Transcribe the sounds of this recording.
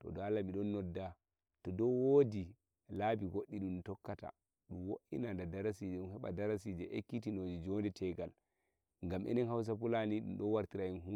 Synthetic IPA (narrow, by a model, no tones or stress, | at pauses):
tɔ̰dɔalːamiɗɔnːɔdːa | tɔdɔwoːdi | labiɡoɗːiɗumtɔkːata̰ | ɗumwoʔḭnandadaɾasid͡ʒɛɗumhɛɓa̰daɾasid͡ʒɛʔḛkːitinod͡ʒɛd͡ʒɔndɛtʰɛɡal | ŋɡamʔɛ̰nɛnhaws̬apulaniɗṵmɗɔwaɾtiɾainhu